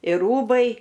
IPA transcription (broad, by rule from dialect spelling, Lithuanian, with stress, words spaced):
ɪr ˈruːbɐɪ